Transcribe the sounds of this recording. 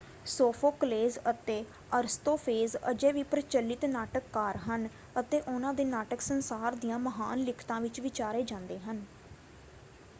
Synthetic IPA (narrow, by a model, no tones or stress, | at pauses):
soːpʰoːkəleːzət̪eː | əɾst̪oːpʰeːzə̰d͡ʒeːʋiːpɾət͡ʃəlːɪt̪naːʈəkːaːɾɦən | ət̪eːʔʊnãːd̪eːnaːʈəksənsaːɾd̪ijãːməɦaːnlɪkʰt̪ãːʋɪt͡ʃʋɪt͡ʃaːɾeːd͡ʒãːnd̪eːɦən